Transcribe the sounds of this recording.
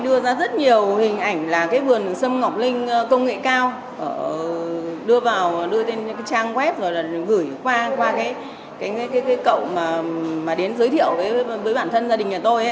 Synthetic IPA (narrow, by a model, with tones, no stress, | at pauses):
ɗɨ˧əzaː˧zə˦˥t̚ɲi˨˩əwhï˨˩ŋ̟ʔa˧˩jŋ̟laː˨˩kaː˨˦jvɨ˨˩ənsə˧mŋɔ˨˩k͡p̚lï˧ŋ̟kə˧wŋ͡mŋḛ˧˨kaː˧w | ʔə˧˩ | ɗɨ˧əvaː˨˩wɗɨ˧ət̪e˧nkaː˨˦jt͡ɕaː˧ŋkwɛ˦˥p̚zo˨˩jlaː˨˩ɣɨ˧˩jkwaː˧kwaː˧kaː˨˦j | kaː˨˦jːkaː˨˦jkaː˨˦jkə̰˧˨wmaː˨˩maː˨˩ɗe˨˦nzə˨˦jt̪ʰḭ˧˨əwvəː˨˦jvəː˨˦jɓaː˧˩nt̪ʰə˧nzaː˧ɗï˨˩ŋ̟ʔaː˨˩t̪o˧jʔ